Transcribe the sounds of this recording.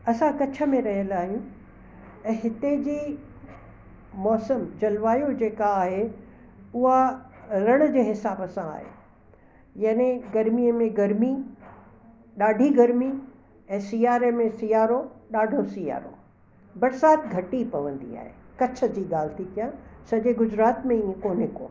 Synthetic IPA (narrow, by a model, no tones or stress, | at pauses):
ɐsãkɐt͡ɕʰə̆mẽɾɐɦijəlaːɦijũ | ɛ̃ːɦɪt̪ed͡ʑiː | mɔːsəmd͡ʑɐlʋaːjod͡ʑeːkaːɦe | ʊɦaɾɐɽ̃ə̆d͡ʑeːɦɪsaːbɐsãa̰ːɦḛː | jɐnẽɡɐɾmiəmẽɡɐɾmi | ɗaːɖʱiɡɐɾmi | ɛ̃ːsijaːɾemẽsijaːɾoɗaːɖʱosija̰ːɾo̰ | bɐɾsaːt̪ɡʱɐʈipɐʋə̃nd̪ḭa̰ːɦḛkɐt͡ɕʰə̆d͡ʑiːɠaːl̤ɪt̪ʰik̪ijãsɐʄeɡʊd͡ʑɾaːt̪mẽiẽkoːnɪko̰ː